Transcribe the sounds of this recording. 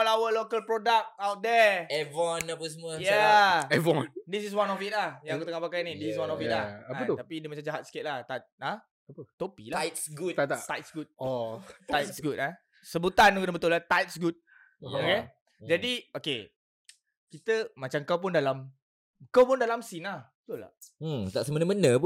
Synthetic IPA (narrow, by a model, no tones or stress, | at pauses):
ɔlawəlokəlpɾodak̚awt̪̚dɛɛvɔnapəs̬əmuəjaɛvɔ̃ndis̬is̬wanɔfit̚lahjãŋakut̪əŋahpakajnidisis̬wanɔfilaaat̪ut̪apidimat͡ʃamd͡ʒaɦat̪̚si̥ket̪̚laht̪at̪̚a | t̪opḭlaatsɡuaat̪ajt̚sɡut̚ɔt̪ajt̪̚sɡut̚a | səbut̪anuŋkut̪əbət̪ʊlat̪ajt̪̚sɡut̪̚ | oke | d͡ʒadioke | kit̪əmat͡ʃaŋkawp̬undalam | kawpundalamsinahbət̪ula̰t̪aʔsəmənəmənəp